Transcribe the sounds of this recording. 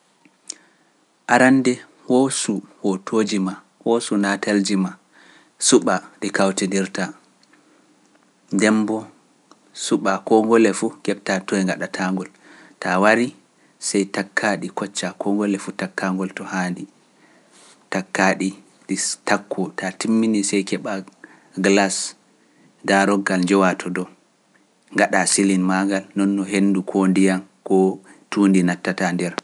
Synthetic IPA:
ʔaɾandɛ | hɔsuwɔtʰod͡ʒima | wosunatald͡ʒima | suɓaɗikawtindiɾta | ndɛmbɔ | suɓakɔŋɡɔlɛfuɡɛɓtatɔjɛŋɡaɗatʰaŋɡɔl | tawaɾi | sajtakʰːaɗikɔt͡ʃːakʰɔŋɡɔlɛfutakːaŋɡɔltɔhandi | takːaɗi | ɗitakʰːɔtatimːinisɛjkɛɓa | ɡlas | daɾɔɡːald͡ʒɛwatʰɔdɔ | ŋɡaɗasilinmaɡalnɔnːɔɦenːdukʰondijankɔtundinatːatandɛɾ

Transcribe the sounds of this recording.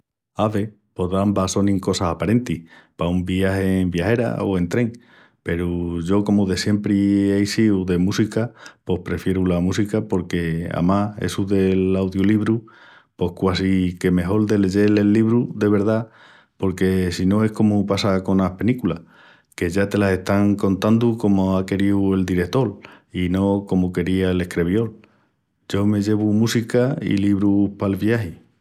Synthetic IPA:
aβe̞ | po̞ɾðambaso̞nĩŋko̞sasapaɾe̞nt̪ihpaumbiahe̞ːmbjahe̞ɾa̰o̞e̞nt̪ɾe̞ŋ | pe̞ɾuʝo̞ko̞muðe̞sje̞mpɾieisiuðe̞musikapo̞hpɾe̞fje̞ɾulamusikapo̞ɾke̞a̰maḛsuðe̞lawðjoliβɾu | po̞hkwasike̞me̞ɦo̞ld̪e̞le̞ʝe̞le̞lːiβɾud̪e̞β̞e̞ɾð̞a | po̞ɾke̞sino̞e̞hko̞mupasako̞nahpe̞nikulah | ke̞ʝat̪e̞lase̞ht̪aŋko̞nt̪and̪uko̞moake̞ɾiue̞ld̪iɾe̞kt̪o̞lino̞ko̞moke̞ɾiaele̞hkɾe̞βjo̞l | ɟ͡ʝo̞me̞ʝe̞β̞umusikaḭliβɾupalβjahi

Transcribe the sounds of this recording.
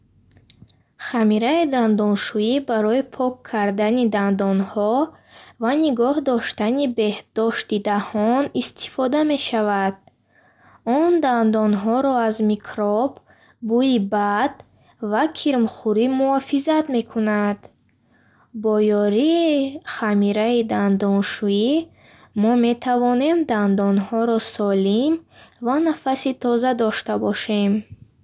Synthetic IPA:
χamiɾaid̪and̪ɔnʃuibaɾɔipʰɔkʰːaɾd̪anid̪and̪ɔnhɔ | vaniɡɔhd̪ɔʃt̪anibe̞hd̪̥ɔʃt̪id̪ahɔnist̪ʰi̥fɔd̪ame̞ʃavad̪̥̚ | ɔnd̪and̪ɔnɦɔɾɔazmikʰɾɔbː | uibad̪ | vakʰiɾmχuɾimuɔfizat̪me̞kʰunad̪̥ | bɔjɔɾiːχamiɾaid̪and̪ɔnʃui | mɔme̞t̪ʰavɔne̞md̪and̪ɔnhɔɾɔsɔlimvanafasit̪ʰɔzad̪ɔʃt̪abɔʃe̞m

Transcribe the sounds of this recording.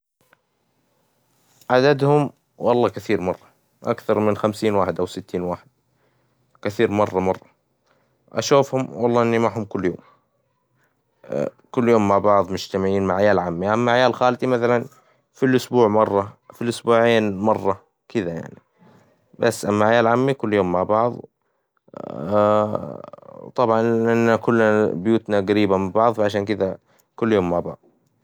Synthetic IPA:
ʕad̪ad̪hʊm | wɑlˤːɑːkaθiːɾmɑrˤːɑ | ʔa̰kθɑɾˤmɪnxamsiːnwaːħɪd̪ʔawsɪt̪ːiːnwaːħɪd̪̥̚ | kɪθiːɾmɑrˤːɑmɑrˤːɑ | ʔa̰ʃuːfhʊmwɑlˤːɑːʔɪnːimaʕhʊmkʊlːjo̰ːm | kʊlːjoːmːaʕbɑʕðˤmʊd͡ʒt̪amɪʕiːnmaʕajaːlʕamːiʔamːaʕajaːlxaːlt̪imaθalan | filʔʊsbuːʕmɑrˤːɑfilʔʊsbuːʕeːnmɑrˤːɑ | kɪd̪aja̰ʕni | basːʔamːaʕajaːlʕamːikʊlːjoːmːaʕbɑʕðˤ | t̪ˤɑbʕɑnʔɪnːakʊlːnabjuːt̪naɡaɾiːbamɪbɑʕðˤfaʕaʃ̬aːnkɪd̪a | kʊlːjoːmːaʕbɑ̰ʕðˤ

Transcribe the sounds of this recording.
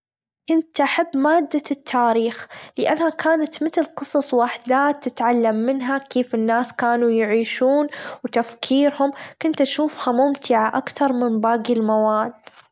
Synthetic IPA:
kʊnt̪ʔaħabːmaːd̪ːat̪ʰːaːɾiːxlɪʔa̰nːhakʰaːnat̪mɪt̪ɪlqɨsˤɑsˤwaħd̪aːt̪ːɪt̪ʕalːamːɪnɦakeːfɪnːaːskaːnujɪʕiːʃuːnwt̪afkʰiːɾhʊmkʊnt̪ʔaʃuːfhamʊmt̪ɪʕaʔakt̪ɑɾˤmɪnbaːɡɪlmawaːd̪

